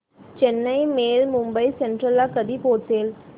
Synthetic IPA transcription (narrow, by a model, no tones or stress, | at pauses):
t͡ʃɛnːɐɪmeːlmʊmbɐɪsɛnʈɾɐlaːkɐðipoːt̪ːeːl